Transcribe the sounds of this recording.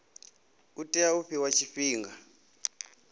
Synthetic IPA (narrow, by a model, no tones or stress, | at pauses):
utʼɛauɸʰiwat͡ʃʰifiːŋɡa